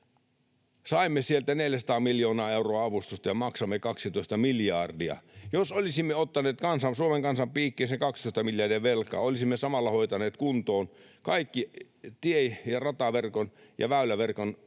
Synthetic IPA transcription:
sɑimːesielt̪æneljæsɑ̥t̪ɑːmiljoːnɑːeuroɑɑʋust̪ust̪ɑjɑmɑksɑmːekɑksit̪oist̪ɑmiljɑrdiɑ̰josolisimːeot̪ːɑneːt̪kɑnsɑnsuomeŋkɑnsɑmpiːkːeːnseŋkɑkst̪oˑist̪ɑmiljɑrdiɑʋelkɑ̰ːolisimːesɑmɑlːɑhoit̪ɑneːt̪kunt̪oːnkɑikːi | t̪iejjɑrɑt̪ɑʋerkonjɑ̰ʋæylæʋerkon

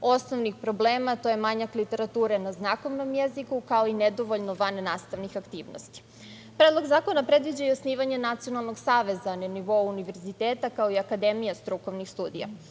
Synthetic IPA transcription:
o̞snoʋnixpɾo̞bleːmat̪o̞jemaɲaklit̪e̞ɾat̪uːɾenaznako̞ʋno̞mjezikukao̞ined̪oʋoʎnoʋannːaːst̪aʋnixakt̪iːʋno̰st̪i̥ | pɾeːd̪lˠo̞ɡzaːko̞napɾe̞d̪ʋid͡ʑaiosniːʋaɲenat̪sijo̞nalˠno̞ɡsaːʋe̞zaneniʋo̞uniʋe̞ɾzit̪eːt̪akaoiakad̪emijast̪ɾuko̞ʋnixst̪uːd̪ḭja̰

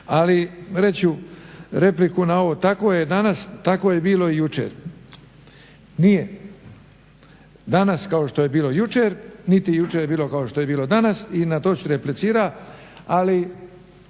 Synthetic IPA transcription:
aliɾe̞t͡ɕuɾe̞plikunao̞ʋot̪ako̞jed̪anast̪akoːjebiːlo̞ijut͡ʃḛɾ | nije | d̪anaskao̞ʃt̪o̞je̞biːlojut͡ʃeɾnit̪ijut͡ʃeɾjebiːlˠo̞kaoʃt̪o̞je̞biːlo̞d̪anasinat̪o̞ːsuɾeplit̪siːɾaali

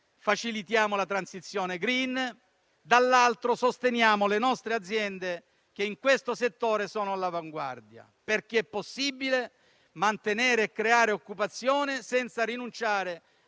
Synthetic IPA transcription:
fat͡ʃilit̪jaːmolat̪ɾansit̪sːjɔːneɡɾin | d̪alːalt̪ɾosost̪enjaːmolenɔst̪ɾead̪zːjɛnd̪e | k̟eiŋkwest̪oset̪ːoːɾesɔːnoalavaŋɡwa̰rd̪ja̰ | perk̟eɛpːosːibile | mant̪eneːɾeːkːɾeaːɾeokːupat̪sːjɔːnesɛnt̪saɾinunt͡ʃaːɾe

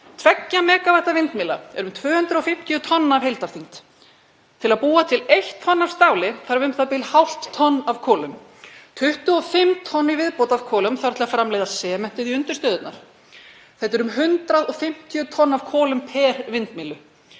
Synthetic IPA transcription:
t̪ʰvɛcːamɛːkavaht̪avɪnt̪mɪːla̰ɛɾʏmt̪ʰvœːhʏnt̪ɾʏɔfɪm̥t̪iʏt̪ʰɔnːaaːvɦejlt̪aɾ̥θiŋt̪ | t̪ʰːɪlaðpuːat̪ʰɪlejht̪ʰːɔnːavst̪aːwlɪθaɾavʏm̥t̪apɪlhawl̥t̪ʰːɔnːav̥kʰɔːlʏmt̪ʰʏht̪ʏɔfɪmt̪ʰɔnːivɪðpowt̪avkʰɔːlʏmθaɾt̪ʰɪlafɾamlejðasɛːmɛn̥t̪ɪðiʏnt̪ʏɾ̥st̪œːðʏt̪naɾ̥ | θɛt̪ɛɾʏmɦʏnt̪ɾaðɔɣfɪm̥t̪ʰiʏt̪ʰɔnːav̥kʰɔːlʏmpʰɛːɾvɪnt̪mɪːlʏ

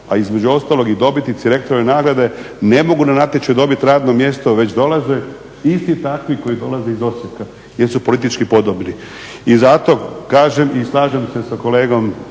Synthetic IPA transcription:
aizme̞d͡ʑuo̞st̪aːlo̞ɡid̪o̞bit̪it̪siɾekt̪ɾoʋenaːɡɾad̪e̞ | ne̞mo̞ɡunanat̪et͡ʃed̪o̞bit̪ɾaːd̪nomje̞st̪oʋe̞t͡ɕd̪o̞laze | ist̪it̪akʋiko̞jid̪o̞laze̞izo̞sjeka | jeɾsupo̞lit̪it͡ʃkipo̞d̪obni | izat̪o̞kaːʒemislˠaːʒemse̞sako̞le̞ːɡo̞m

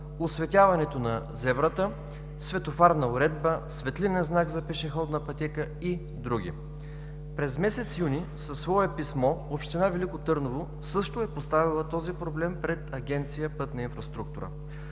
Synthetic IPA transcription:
osvɛt̪ʲavɐnɛt̪onɐ | zɛbɾət̪ə | svɛt̪ofaɾnɐʊɾɛd̪̚bəsvɛt̪linɛnznaɡzɐpɛʃɛxɔd̪nɐpɐt̪ʲɛkə | i | d̪ɾuɡ̟ʲḭ | pɾɛzmɛsɛt̪sjunisɐsːvɔɛpismɔopʃt̪ɛnavɛlikot̪ɤɾnovo | sɤʃt̪oɛpost̪avilˠət̪ɔzipɾoblɛmpɾɛt̪ɐɡʲɛnt̪sijəpɤt̪nɐinfɾɐst̪ɾuk̚t̪uɾə̰

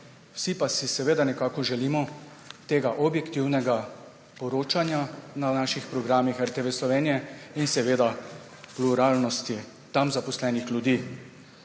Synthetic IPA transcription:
w̥sipasisɛʋeːd̪anɛkaːkɔʒɛlimɔ | t̪eːɡaʔɔbjɛkt̪iwnɛɡa | pɔɾoːt͡ʃanjananaːʃixpɾɔɡɾaːmixɛɾt̪ɛʋeslɔʋeːnijɛinsɛʋeːd̪a | pluɾaːlnɔst̪i | t̪amzapɔslɛːnixlʲjud̪iː

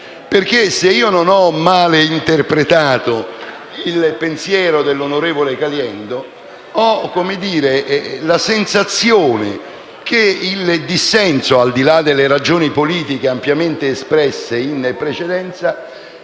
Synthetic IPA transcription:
perkeseiːononɔmːaːleint̪erpɾet̪aːt̪o | ilpensjɛːɾod̪elːonoɾeːvolekaljɛnd̪o | ɔkːomed̪iːɾelasensat̪sːjoːnḛ | keild̪isːɛnsoald̪ilad̪elːeɾad͡ʒoːnipoliːt̪ik̟eampjament̪eːspɾɛsːeinpːɾet͡ʃed̪ɛnt̪sa

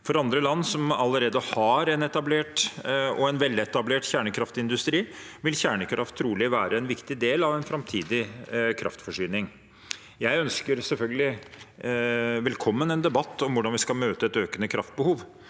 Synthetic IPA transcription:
fɔɾɑnd̪ɾəlɑnːsɔmɑlːəɾeːd̪əhɑɾɛnɛt̪ɑbleːʈɔɛnʋɛlːɛt̪ɑbleːʈçæːɳəkʰɾɑft̪ɪnd̪ʉst̪ɾiːʋɪlçæːɳəkʰɾʔɑft̪ʰːɾuːlɪʋæːɾəɛnʋɪkt̪ɪd̪eːlɑʋɛnfɾɑmt̪ʰiːd̪ɪkʰɾɑ̰ft̪fɔʂyːnɪŋ | jæɪœnskəɾsɛlfœlɡəlɪ | ʋɛlkʰɔmːənɛnd̪ɛbɑt̪ːɔmʋʊɖɑnʋɪskɑlmøːt̪əɛt̪øːkənəkʰɾɑft̪̚bəhuːʋ

